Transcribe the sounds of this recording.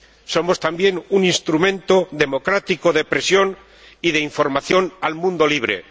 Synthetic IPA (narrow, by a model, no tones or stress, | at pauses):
so̞mo̞st̪ambje̞nuninst̪ɾumẽ̞nt̪oðe̞mo̞kɾat̪ikoðe̞pɾe̞sjo̞n | iðeiɱfo̞ɾmaθjo̞nalmũnd̪o̞liβ̞ɾḛ